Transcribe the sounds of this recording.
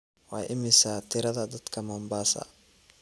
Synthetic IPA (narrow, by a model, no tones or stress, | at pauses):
wɑjʔɪmɪsat̪ʰɪɾɐðɐd̪ɐd̪kʰɐmɐmbaːsɐ̰